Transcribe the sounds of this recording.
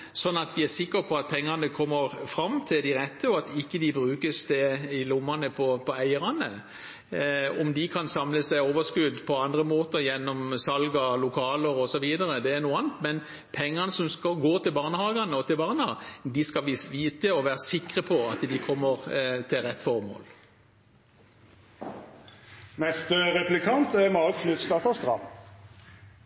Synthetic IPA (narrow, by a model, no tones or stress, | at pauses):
sɔnːɑt̪ʋɪæsɪkːəpʰɔɑt̪̚pʰɛŋːɑnəkʰɔmːəɾfɾɑmt̪ʰɪld̪ɪɾɛt̪ːəɔɑt̪ɪkːəd̪ɪbɾʉːkəsd̪ɛɪlʊmːɑnəpʰɔpʰɔæɪəɾɑnə | ɔmd̪ɪkʰɑnsɑmləsæɪoːʋəskʉd̪ːpʰɔɑnd̪ʁəmoːt̪əɾjɛnːɔmsɑlɡɑlʊkʰɑːləɾɔsɔʋiːd̪ɑɾəd̪ɛːɾnuːɑnt̪mɛn | pʰɛŋːɑnəsɔmskɑɡoːɾt̪ɪlbɑːʁnəhɑːɡɑnəɔt̪ʰɪlbɑːʁnəɑ̰d̪ɪskɑlʋɪʋiːt̪əɔʋæːʁəsɪkʁəpʰɔɑt̪d̪ɪkʰɔmːəʁt̪ʰɪlʁɛt̪ːfɔʁmo̰ːl | nɛst̪əʁɛplɪkʰɑnt̪æmɑkʰnʉt̪st̪ɑt̪ɑst̪ʁɑ̰m